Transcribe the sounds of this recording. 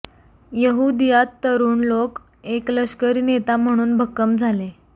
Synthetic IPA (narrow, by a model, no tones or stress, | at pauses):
jəɦud̪ijat̪ːəɾuːnlok | ekləɕkəɾiːnet̪am̤əɽ̃uːnbʱəkːəmd͡zʱale